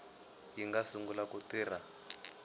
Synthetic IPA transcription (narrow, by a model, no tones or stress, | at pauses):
jiŋɡasuŋɡulakutiːr̤a